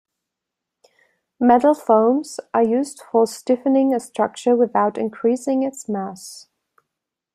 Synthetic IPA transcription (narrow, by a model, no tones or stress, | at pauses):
mɛdl̩ˠfõʊ̃mz̥ʔəjʉzdfəstɪfənɪ̃ŋəstɹ̥ʌk̚t͡ʃəwɪðaʊɾɪ̰̃nkʰɹ̥isɪ̃ŋɪtsmæs